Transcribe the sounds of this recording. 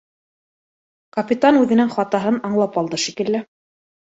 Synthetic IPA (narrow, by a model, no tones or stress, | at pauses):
kɐpʲit̪anʉðɘ̆nɘŋχɑt̪ɑɦɤnɑɴlˠɑpɑlˠd̪ɤʃikɘ̆lːɘ